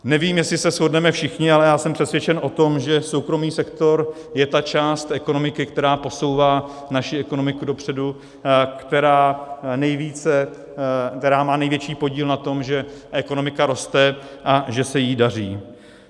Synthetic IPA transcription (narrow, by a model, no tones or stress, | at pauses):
nɛviːmjɛslɪsɛsxo̞dnɛmɛfʃɪxɲɪalɛjaːsɛmpr̥ɛt̪svjɛt͡ʃɛnʔo̞t̪o̞mʒɛso̞wkɾo̞miːsɛkt̪o̞ɾ | jɛt̪at͡ʃaːst̪ʔɛko̞no̞mɪkɪkt̪ɛɾaːpo̞so̞wvaː | naʃɪɛko̞no̞mɪkudo̞pr̝̥ɛdu | kt̪ɛɾaːnɛjviːt͡sɛ | kt̪ɛɾaːmaːnɛjvjɛt͡ʃiːpo̞ɟiːlnat̪o̞mʒɛʔɛko̞no̞mɪkaɾo̞st̪ɛʔaʒɛsɛjidar̝iː